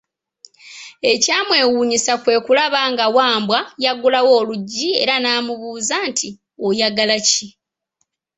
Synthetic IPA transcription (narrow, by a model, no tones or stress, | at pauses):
e̞caːmwe̞ːwuːɲisakwe̞ːkulaβaŋɡawaːmbwajaɡulawo̞ːluɟːie̞̰ɾanaːmuβuːzantʰi | ojaɡalaci